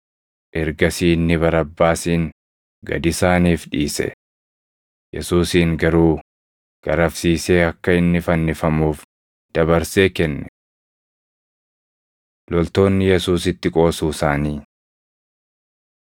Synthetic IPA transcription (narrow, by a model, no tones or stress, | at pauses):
ʔɛɾɡɐsiːnːɪβɐɾɐbːaːsiːŋ | ɡɐ̰d̪ɪsaːniːfᶑiːsɛ̰ | jɛ̰suːsiːŋɡɐɾuː | ɡ̥ɐɾɐfsiːse̞ːɐkːɐɪnːɪfɐnːɪfɐmuːf | d̪̥ɐbɐɾse̞ːkɛnːɛ | lɔlt̪o̞ːnːɪjɛsuːsɪt̪ːɪkʼo̞ːsuːsaːniː